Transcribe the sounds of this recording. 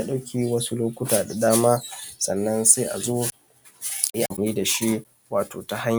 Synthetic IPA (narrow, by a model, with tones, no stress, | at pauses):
a˨ɗa˦wkʲiː˨wɐ˦su˦loː˦kʷʊ˦taː˨da˨daː˦maː˦sɐ˨nːɐ˦nse˦ʔa̰˨zoː˦ | a˨ji˦ʔa˨niː˦da˨ʃi˦ | waː˨toː˨ta˦ha˦ɲ